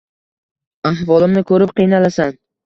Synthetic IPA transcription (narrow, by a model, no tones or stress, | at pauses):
aɦvɒlˠɪmnɪkʰɵɾɪp̚qʰijnalasan